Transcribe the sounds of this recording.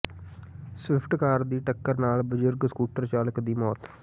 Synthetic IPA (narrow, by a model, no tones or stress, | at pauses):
swɪpʰʈkaːɾd̪iːʈəkːəɾnaːlbəd͡ʒʊɾɡskuːʈəɾt͡ʃaːləkd̪iːmɔːt̪